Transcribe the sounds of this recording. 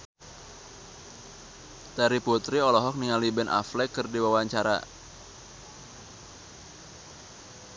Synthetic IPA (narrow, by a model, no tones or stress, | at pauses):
t̪aɾiput̪ɾiɔlɔɦɔk̚niŋalibɛnʔa̰flɛkːɨrdiwawaɲt͡ʃaɾa̰